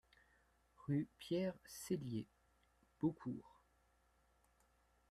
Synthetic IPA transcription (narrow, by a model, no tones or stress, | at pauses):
ʁypjɛʁselje | b̥okʰuːʁ